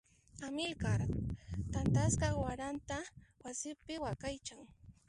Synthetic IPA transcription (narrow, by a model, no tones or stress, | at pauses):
amɪlkaɾt̪ant̪askɑwaɾant̪awasɪpɪwakajt͡ʃaŋ